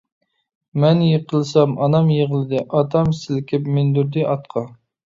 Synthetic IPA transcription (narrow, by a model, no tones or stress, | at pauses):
mɛnjeqʰəlˠɨsɑmɑnɑmjeʁəlˠɨd̪ɪʔɑt̪ʰɑmsɪlkʲʰɪpmɪnd̪uɾd̪ɪʔɑt̪̚qʰɑ